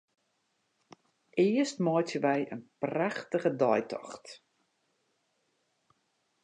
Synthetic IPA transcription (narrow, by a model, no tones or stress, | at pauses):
ɪəstmɔjtjəʋɛjʔə̰npraxtəɣədɔjtʰɔ̰xt